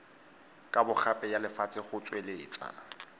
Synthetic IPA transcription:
kʼabʊχapʼɛjalɪfat͡sʼɪχʊt͡sʼwelɪːt͡sʼa̰

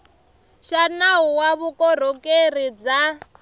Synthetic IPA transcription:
ʃanaɦuwaβukɔɾ̤okerid͡za

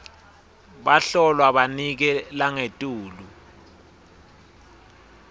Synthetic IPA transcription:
ɓaɬɔlwaɓanik̬ɛlaŋetʼuːlu

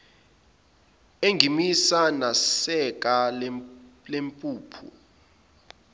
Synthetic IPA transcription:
eŋɡʱimisanasɛk̬ʼa | lempʼuːpʰṵ

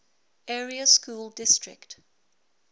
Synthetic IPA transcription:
ɛɹiəskuːldɪstɹɪ̰kt

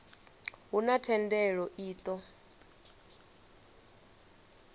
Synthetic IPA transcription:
ɦunatʰɛndɛɺɔʔiːt̪ʼɔ

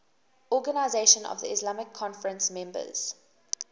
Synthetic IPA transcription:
ɔɡənaɪzeʃə̃nɔ̰vðə̰ɪslamɪkʰːɔ̃nfəɹə̃nsmɛ̃mbə̰z̥

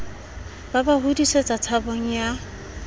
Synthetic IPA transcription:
babaɦudisɔt͡sʼat͡sʰaboŋ̩ja

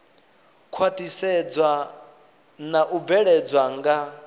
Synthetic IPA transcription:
kʰwatʼisɛd͡zwa | naʔub̪vɛɺɛd͡zwaŋɡa

